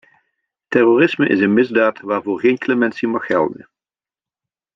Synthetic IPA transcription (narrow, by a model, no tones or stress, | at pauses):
tɛroːrɪsməʔɪ̰sənmɪzdaːtʋaːrvoːrɣeːjnklemɛnsimɑχhɛ̰lˠdə̰n